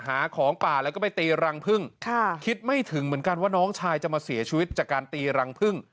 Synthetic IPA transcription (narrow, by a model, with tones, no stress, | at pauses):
haː˩˦kʰɔː˩˦ŋpaː˨˩lɛː˦˥wkɔ˥˩pa˧jt̪iː˧ɾa˧ŋpʰɯ˥˩ŋkʰa˥˩kʰi˦˥t̪̚ma˥˩jt̪ʰɯ˩˦ŋmɯ˩˦ənka˧nwaː˥˩nɔː˦˥ŋt͡ɕʰaː˧jt͡ɕa˨˩maː˧si˨˩˦t͡ɕʰiː˧wi˦˥t̪̚t͡ɕaː˨˩kːaː˧nt̪iː˧ɾa˧ŋpʰɯ˥˩ŋ